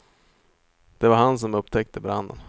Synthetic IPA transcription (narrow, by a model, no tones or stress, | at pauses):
d̪̥ɛvaɾɦans̬ɔmɵpːt̪ʰɛk̚t̪əbɾa̰nd̪ə̰n